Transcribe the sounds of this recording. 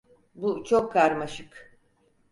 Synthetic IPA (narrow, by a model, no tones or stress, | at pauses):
but͡ʃʰo̞kʰːaɾmaʃɯk